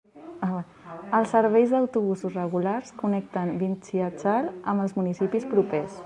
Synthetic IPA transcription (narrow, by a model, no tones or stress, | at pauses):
aa | əlˠsːəɾβ̞ɛjzðəwt̪uβ̞usuzrəɣularskunɛk̚t̪ənbint͡ʃiət͡ʃaləməlˠzmunisipispɾupɛs